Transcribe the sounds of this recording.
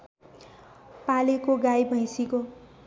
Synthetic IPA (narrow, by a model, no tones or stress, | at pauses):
palekoɡajbʱʌj̃siko